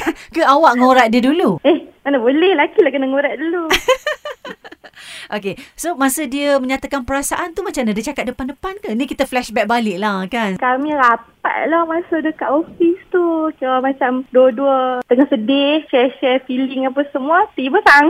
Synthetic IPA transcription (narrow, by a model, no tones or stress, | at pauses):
kəawaʔŋoɾaʔ̪̚diəduluɛhmanabolɛhlakilahkənaŋoɾaʔ̚dulu | ʔokesomasədiəməɲat̪akanpəɾasaʔant̪umat͡ʃamnadiət͡ʃakat̪̚dəpandəpankənikit̪əflɛʃbɛk̚balɪʔlahkankamĩɾapa̰ʔ̚lahmasadəkaʔofist̪ukaamat͡ʃamduəduət̪əŋahsədɪht͡ʃɛʃɛfilɪŋapasəmuat̪ibət̪aŋ